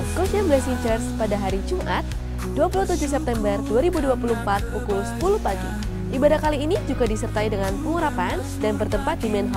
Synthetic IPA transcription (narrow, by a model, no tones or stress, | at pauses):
kɔsamlɛsiɲd͡ʒərspadaɦaɾid͡ʒumʔat̪̚ | duapulut̪ud͡ʒuhsɛp̚t̪ɛmbərduaɾibuduapulumpat̪̚ukulsə̥pulupaɡḭ | ʔibadakaliːnid͡ʒuɡadisərt̪aidəŋanpuŋuɾapan | danbərt̪əmpat̪̚dimɛnɦɔ